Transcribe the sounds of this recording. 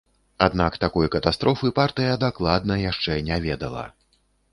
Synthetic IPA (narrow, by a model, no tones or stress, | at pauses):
ad̪nakt̪akɔjkɐt̪ast̪ɾɔfɨpart̪ɨjɐd̪aklˠad̪nɐjaʂt͡ʂɛnʲavʲɛd̪ɐ̰lˠɐ̰